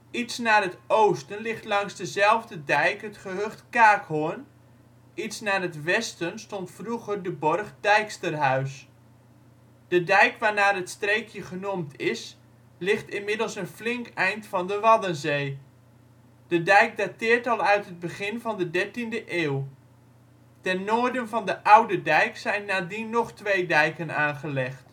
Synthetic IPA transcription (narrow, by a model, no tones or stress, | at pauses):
itsnaːrətowstənlɪχtlɑŋzdəzɛlˠvdədɛjkɦətχəɦøχtkaːkɦoən | itsnaːrətʋɛstənstɔntfruχərdəbɔrχdɛjkstərɦœɥs | d̥ədɛjkʋaːɹnaːrɦətstrejkʰjəχənomtʰɪs | lɪχtɪnmɪdəlˠsənflɪŋkɛjntfɑndəʋɑdənzej | d̥ədɛjk̚datɪːɹtɑlˠœɥtɦəd̚bəχɪnvɑndədɛɹtindəʔeːw | tɛnːoːɹdənvɑndəʔawdədɛjksɛjnːaːdinɔχtʋejdɛjkənaːnχəlɛχt